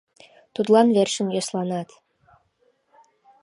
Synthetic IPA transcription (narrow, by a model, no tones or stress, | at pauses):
t̪ut̪lɑnverʃə̆njɑslɑnɑt̪